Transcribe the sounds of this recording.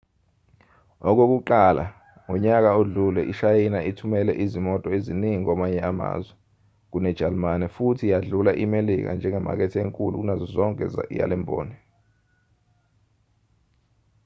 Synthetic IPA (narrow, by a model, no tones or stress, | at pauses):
ɔk̬ok̬uǃalʔa̰ | ŋɔɲak̬aoɮulɛʔiʃajinaʔitʰumɛlɛʔizimɔtʼɔeziniŋik̬ɔmaɲɛama̰ːzwɛ | k̬unɛ̥d͡ʒ̥ʱalmanɛfutʰijaɮulaʔimelik̬a̰nd͡ʒʱɛŋɛma̰k̬ɛtʰɛeŋkʼulṵk̬unazɔzɔŋkʼɛ̰ja̰lɛmbʱo̰ːni